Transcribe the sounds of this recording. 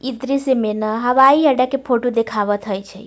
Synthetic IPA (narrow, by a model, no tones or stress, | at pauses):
id̪ɾisemenəɦəʋaiəɖakepʰoʈũd̪ekʰaʋət̪ʰəjt͡ʃʰḛ